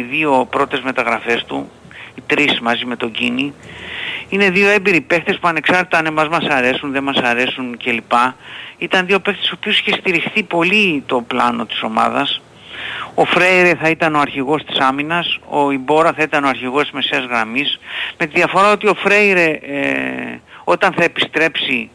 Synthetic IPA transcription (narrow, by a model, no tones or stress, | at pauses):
ðio̞pɾo̞t̪e̞zme̞t̪ɐɣɾɐfe̞st̪ṵ | it̪ɾismɐzime̞t̪o̞ɟini | ine̞ðio̞e̞mbiɾipe̞kt̪e̞spuɐne̞ksɐɾt̪t̪ɐnemɐzmɐsɐɾe̞sunðe̞mɐsɐɾe̞sunce̞lipɐit̪ɐnðio̞pe̞kt̪esoopio̞si̥çe̞st̪iɾixθipo̞lit̪o̞plɐno̞t̪i̥so̞mɐ̰ðɐs | o̞fɾejɾeθɐit̪ɐno̞ɐɾçiɣo̞st̪i̥sɐminɐso̞ibo̞ɾɐθɐit̪ɐnoɐɾçiɣo̞st̪izme̞seɐzɣɾɐmisme̞t̪iðiɐfo̞ɾɐo̞t̪io̞fɾe̞iɾe | o̞t̪ɐnθɐe̞pist̪ɾe̞psi